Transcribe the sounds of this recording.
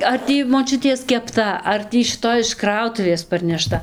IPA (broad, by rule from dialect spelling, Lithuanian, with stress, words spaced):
ɐr ˈtʲiː moːˈt͡ʃʲʊtʲiɛs kʲɛpˈtɐ ɐr ˈtʲiː ʃʲɪˈtoːj ɪʃ ˈkrɐʊtʊʋʲeːs pɐrʲnʲɛˈʃtɐ